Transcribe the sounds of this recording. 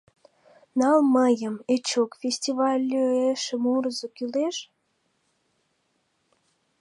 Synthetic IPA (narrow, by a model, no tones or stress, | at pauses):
nɑlməjəmet͡ɕokfʲesʲtʲivɑlʲːøeʃəmuɾəzokyleʃ